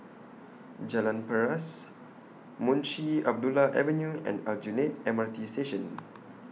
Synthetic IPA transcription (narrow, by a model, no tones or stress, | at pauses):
d͡ʒalãnpəɹas | mũnʃiab̚dulaʔɛ̰və̃njuɛ̰̃nald͡ʒunet̚ɛ̃mat̪isteʃə̃n